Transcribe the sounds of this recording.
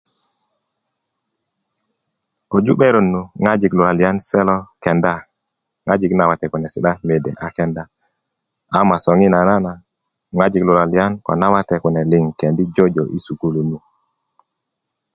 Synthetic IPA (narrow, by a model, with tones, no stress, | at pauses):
o˨d͡ʒu˦ɓe˦ɾo˨nːu˨ŋa˦d͡ʒi˨klu˨ɾa˨li˨a˦nsɛ˦lo˦ke˨nda˦ | ŋa˦d͡ʒi˨kna˨wa˨te˨ku˨ne˨si˨ɗa˦me˨dḛ˨ʔa˨ke˦nda˦ | a˨ma˨so˨ŋi˦na˨na˦na˨ | ŋa˦d͡ʒi˨klu˨ɾa˨li˨a˦nko̰˨na˦wa˦te˨ku˨ne˨li˨ŋke˨ndi˦d͡ʒo˦d͡ʒo˨ʔi˦su˨ɡu˦lu˨nu˨